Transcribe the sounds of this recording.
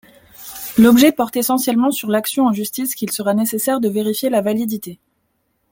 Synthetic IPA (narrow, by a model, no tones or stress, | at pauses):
lɔbʒɛpɔʁt̪esɑ̃sjɛlmɑ̃syʁlaksjɔ̃ɑ̃ʒyst̪iskʲilsəʁanesesɛʁd̪əveʁifjelavalid̪it̪e